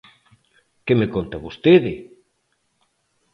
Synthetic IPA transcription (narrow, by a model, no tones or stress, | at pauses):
kemekont̪ɐβost̪eðɪ